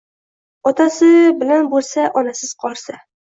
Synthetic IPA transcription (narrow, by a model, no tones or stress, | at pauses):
ɒt̪ʰasɪbɪlanbolˠsaʔɒnasɪz̥qʰɒɾsa